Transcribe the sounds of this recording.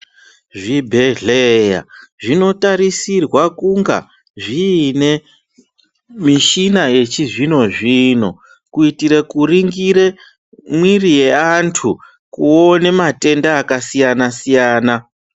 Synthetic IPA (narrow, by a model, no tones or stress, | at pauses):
ʐibʱe̞ɮeja̰ʐino̞taɾisirwakuŋɡa̰ | ʐiːne̞ | miʃinaje̞t͡ʃiʐino̞ʐiːno̞̰ | kuitiɾekuriŋɡiɾe̞ | mwirije̞antʰu | kuone̞mate̞ndaːkasijanasijaːna